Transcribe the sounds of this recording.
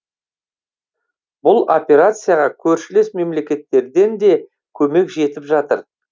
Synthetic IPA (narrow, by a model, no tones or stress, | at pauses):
bʊlˠo̞pʲe̞ɾat̪sɨjaʁɑkʲʰɵɾʃɪle̞sme̞mle̞kʲe̞t̪ːe̞ɾd̪e̞nd̪e̞ | kʲʰɵme̞kʒe̞t̪ɪpʒɑt̪ə̰ɾ